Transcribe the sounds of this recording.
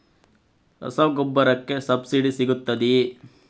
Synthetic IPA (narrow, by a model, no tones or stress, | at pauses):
ɾɐ̰sɐʋɡɔbːɐɾɐkːe̞sɐbsiɖisiɡut̪ːɐd̪i